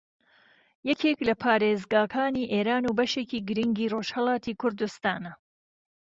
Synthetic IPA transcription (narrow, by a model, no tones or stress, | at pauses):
jɛkʰeːklɐpʰaːɾeːzɡaːkʰaːniːʔeːɾaːnuːbɐʃeːkiːɡɨɾiŋɡiːroːʃhɐlˠɑːt̪ʰiːkʰʊɾd̪ust̪aːnɐ